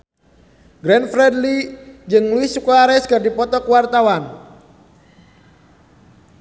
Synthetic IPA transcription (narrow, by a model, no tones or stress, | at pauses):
ɡɾɛnfɾɛdlid͡ʒɨŋluɪsukuaɾɛskɨrdipɔt̪ɔkuwart̪awan